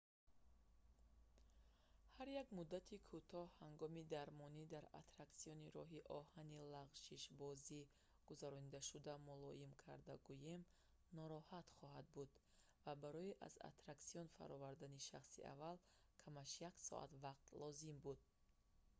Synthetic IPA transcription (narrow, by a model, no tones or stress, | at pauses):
haɾjaɡmud̪ːat̪ʰikʰut̪ʰɔhhaŋɡɔmid̪aɾmɔnid̪aɾa̰t̪ɾaksijɔniɾɔ̰ɦiʔɔhanilaʁʃiʃbɔzi | ɡ̥uzaɾɔnid̪aʃud̪amulɔimkʰa̰ɾd̪aɡujem | nɔɾɔhat̪χɔɦad̪̚bud̪ | vabaɾɔiʔa̰za̰t̪ɾaksiɔnfa̰ɾɔvaɾd̪aniʃa̰χsḭa̰val | kʰamaʃjaksɔ̰ʔa̰t̪vaqt̪lɔzimbud̪̥̚